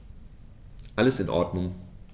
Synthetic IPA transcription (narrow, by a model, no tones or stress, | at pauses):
ʔaləsɪnʔɔ̰ɐdnʊŋ